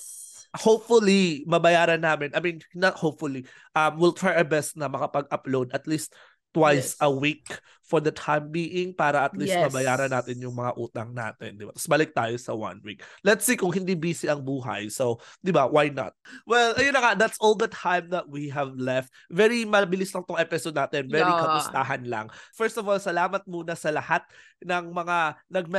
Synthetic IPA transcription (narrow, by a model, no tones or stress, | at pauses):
hopfʊlimɐbɐjaːɾɐnːaːmɪnʔɐjmĩnnɐt̪hopfʊli | ʔɐmwɪlt̪ɹajɐbɛst̪̚nɐmɐkɐpɐɡ̚ʔɐplowd̪ɐt̪list̪̚ | t̪ːwajsɐwik | fɔɹd̪ɐt̪ʰãjmbiːʔɪŋpaːɾɐʔɐt̪list̪mɐbɐjaːɾɐnaːt̪ɪnjʊŋmɐŋaʔuːt̪ɐŋna̰ːt̪ɪ̰nd̪ɪba̰t̪ɐ̥sbɐlɪk̚t̪aːjosɐwɐ̰nwḭk̚lɛt̪siːkʊŋɦɪnd̪iːbiːsɪʔɐŋbuːɦɐ̰jsowd̪ɪbawajnɐ̰t̪̚wɛlʔɐjʊnɐŋad̪at̪sʔold̪ɐt̪ʰãjmd̪ɐt̪̚wiɦɛvlɛft̪̚vɛɾimɐbɪlɪslɐŋt̪oŋʔɛpɪsod̪̚naːt̪ɛnvɛɾikɐmʊst̪aɦɐnlɐ̰ŋfɛɹst̪ɔvolsɐlaːmɐt̪̚muːnɐsɐlɐhat̪̚ | nɐŋmɐŋanɐɡ̚m